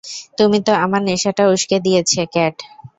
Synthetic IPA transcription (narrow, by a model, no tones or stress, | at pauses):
t̪umit̪oamaɾneʃaʈauʃked̪ijet͡ɕʰekɛʈ